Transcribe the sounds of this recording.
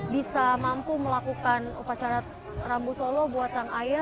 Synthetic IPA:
bisamampuməlakukanupat͡ʃaɾa | rambusolɔbuat̪̚saŋaj

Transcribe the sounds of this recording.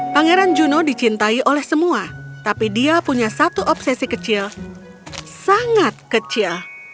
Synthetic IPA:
paŋeɾand͡ʒunɔdit͡ʃint̪aiʔolɛhsəmuat̪apidiapuɲasat̪uʔɔpsɛsikət͡ʃɪl | saŋat̪̚kət͡ʃil

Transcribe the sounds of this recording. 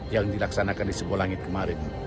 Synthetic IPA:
jaŋdilaksanakandisəbualaŋɪt̪̚kəmaɾɪn

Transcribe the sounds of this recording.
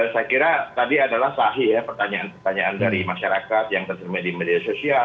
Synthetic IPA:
sajakiɾat̪adiadalahsaɦijapərt̪aɲaanpərt̪aɲaʔandaɾimaʃaɾakat̪̚jaŋt̪ərt̪əɾimadimediasosia

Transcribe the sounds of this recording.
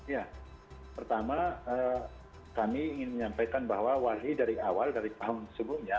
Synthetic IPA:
ja | pərt̪amaəː | kamiːŋɪnməɲampajkanbaɦwawaɦidaɾiawaldaɾit̪aɦʊŋsəbʊmɲa

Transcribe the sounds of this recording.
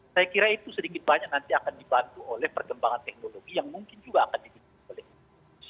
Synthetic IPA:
sajakiɾait̪usədikɪt̪̚baɲak̚nant̪iakandibant̪uolɛhpərkəmbaŋant̪ɛk̚noloɡijaŋmuŋkɪnd͡ʒuɡaːkandibi | olɛh | us

